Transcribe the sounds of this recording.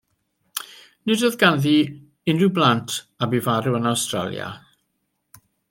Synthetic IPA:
nɨdəðɡanði | ɪnrɪwblˠantʰ | abivaɾuənawstra̰lˠja̰

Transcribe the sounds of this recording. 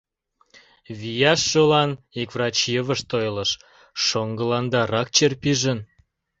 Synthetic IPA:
βijɑʃːolɑnikvrɑt͡ɕjəβəʃt̪ojlə̆ʃ | ʃoŋɡə̆lɑnd̪ɑɾɑk̚t͡ɕerpiʒə̆n

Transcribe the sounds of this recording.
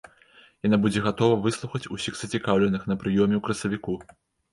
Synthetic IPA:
janabud͡zʲɛɣat̪ɔvɐvɨslˠuxɐt͡sʲusʲiɣz̥ɐt͡sʲikawlʲɛnɨxn̪ɐpɾɨjɔmʲɛwkɾɐsɐvʲiku

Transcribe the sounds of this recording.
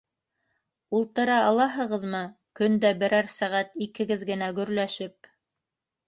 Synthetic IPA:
ulˠt̪ɤ̆ɾɑɑlˠɑɦɤ̆ʁɤðmɤ | kɵnd̪æbɘ̆ɾæɾsæʁæt̪ikɘ̆ɡɘðɡɘ̆næɡɵ̆ɾlæʃɘp̚

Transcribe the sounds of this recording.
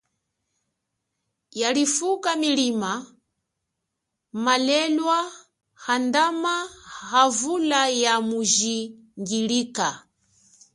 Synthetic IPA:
jalifukamilima | malɛlwa | handamahavulajamuʒi | ŋɡiliːka

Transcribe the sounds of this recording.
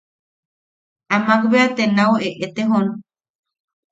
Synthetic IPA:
amakbeat̪enaweʔet̪eɦon

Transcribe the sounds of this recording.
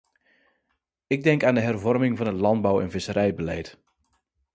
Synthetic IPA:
ɪɡ̚dɛŋkaːndəɦɛrvɔrmɪŋvɑnɦətlɑnd̚bawɛnvɪsəɾɛjbəlɛjt

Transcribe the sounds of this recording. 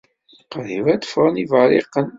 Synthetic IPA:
qɾivæd̪əfɾˤənivəɾḭqːən

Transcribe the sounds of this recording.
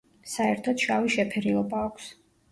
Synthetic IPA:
saɛɾt̪ʰɔt̪ʃaviʃɛpʰɛɾiɔbaːkʷʰs

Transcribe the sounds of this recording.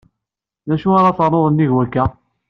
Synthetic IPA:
næʃuaɾaθəɾˤːoðˤənːiʝwækːæ

